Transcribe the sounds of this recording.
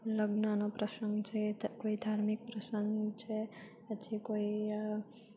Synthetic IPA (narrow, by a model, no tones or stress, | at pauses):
ləɡnanopɾəsəŋɡt͡ʃʰekoid̪ʱaɾmik̚pɾəsəŋɡt͡ʃʰe | ət͡ʃʰikoi